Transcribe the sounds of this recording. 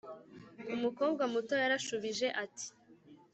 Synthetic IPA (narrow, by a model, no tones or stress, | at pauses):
umuko̞ːb̚ɡamuto̞jaɾaʃuβiʒe̞ʔati̥